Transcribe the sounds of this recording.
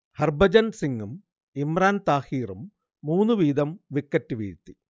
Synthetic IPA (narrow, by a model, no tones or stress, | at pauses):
hɐrbɐd͡ʑɐnsiŋɡum | imraːnt̪aːhiːrumː | uːnːuʋiːd̪ɐmʋikːɐtːɨʋḭːɻt̪ːi